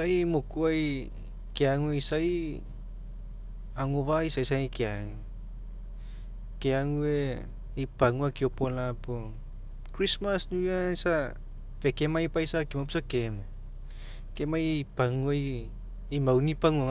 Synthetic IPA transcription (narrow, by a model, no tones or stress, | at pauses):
ajmokuaj | keaŋuejsaj | aŋovajsajsaŋikeaŋ | keaŋue | ijpaŋuakiopolapo | kɾismasnuansa | vekemajpajsakimapsakeme | kemajpaŋuaj | ijmawnipaŋua